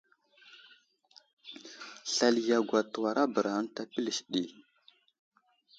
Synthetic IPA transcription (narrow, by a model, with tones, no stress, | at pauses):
ɬa˨lja˨ɡʷa˨tə˨wa˨ɾa˦bə˨ɾa˨ə˦nta˦pi˦li˨ʃɗi˨